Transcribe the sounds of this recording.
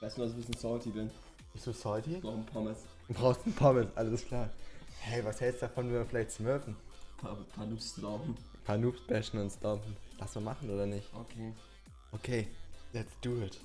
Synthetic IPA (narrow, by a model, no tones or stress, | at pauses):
ɛɐsmasbɪsnsɔltibɪn | b̥ɪstd̥uːsɔltʰiapʰɔmɪs | ubʁaʊxstd̥un̩pʰɔmɪsʔaləskʰl̥aːɐhɛɪvashɛlstd̥afɔnviːɐfɪlaɪçtsmœɐfn̩pʰpʰanuːpslɔmpm̩ | pʰaːnuːpsb̥ɛʃn̩ʊntstɔmfn̩l̥asuːmaχn̩ʔoːɾɐnɪçtokʰe | ʔokʰeːlɛtsd̥uːɪt